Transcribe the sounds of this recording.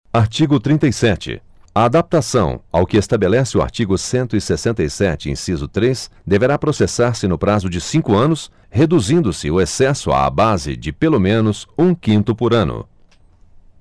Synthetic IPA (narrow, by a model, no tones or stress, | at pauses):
aɾt͡ʃiɡʊt̪ɾĩnt̪ɐjsɛt͡ʃɪ̰ | aad̪ap̚t̪asɐ̃w̃a̰wkɪest̪abelɛsɪʊa̰ɾt͡ʃiɡʊsẽnt̪ʊɪsesẽnt̪ɐjsɛt͡ʃɪḛ̃sizʊt̪ɾes | d̪eveɾapɾosesaɾsɪnʊpɾazʊd͡ʒɪsĩkʊɐ̃nʊs | hed̪uzĩnd̪ʊsɪʊesɛsʊa̰a̰bazɪ̰d͡ʒɪpelomẽnʊzũkĩnt̪ʊpʊɾɐ̃nʊ̰